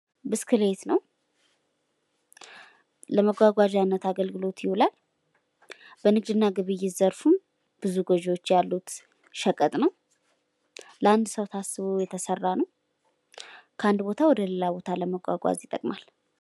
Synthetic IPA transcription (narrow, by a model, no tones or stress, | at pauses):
bɨskʰɨlet̪nəw | ləməɡʷaɡʷad͡ʒanːət̪aɡəlɡɨlo̞t̪jɪhulal | b̥ənɨɡd̪ɨnːaɡɨβɨjːɪzəɾfum | b̥ɨzuɡɔʒwot͡ʃːjalːut̪ | ʃəkʼət̪ʼnəw | ləand̪səwt̪ʰasːɨβujɛt̪ʰəsərːanəw | kʰəand̪bo̞t̪ʰawɔd̪əlelabo̞t̪ʰaləməɡʷa̰ɡʷa̰zɪt̪ʼəkʼmal